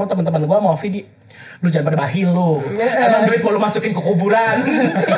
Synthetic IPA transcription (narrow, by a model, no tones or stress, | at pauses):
at̪əmənt̪əmanɡuamafidi | lud͡ʒanpadabaɦilʊamaŋbuɾɪt̪̚malumasukɪnkəkubuɾan